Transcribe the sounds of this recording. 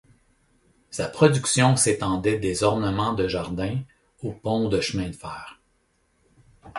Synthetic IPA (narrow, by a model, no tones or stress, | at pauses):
sapχɔd̪zyksjɔ̃set̪ɑ̃d̪ɛd̪ezɔʁnəmɑ̃d̪əʒaʁd̪ɛ̃ | opɔ̃d̪əʃmɛ̃d̪fɛːʁ